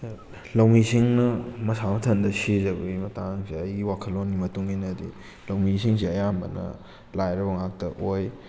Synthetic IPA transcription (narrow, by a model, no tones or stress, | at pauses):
lɐwmisiŋnɐmɐsamɐtʰɐndɐsizɐbɐɡimɐtaŋsiɐjɡiwakʰɐlːonːimɐtuŋinɐdḭ | lɐwmisiŋs̬iɐjambɐ̰nɐ̰ | lajɾɐbɐŋak̚tɐʔoj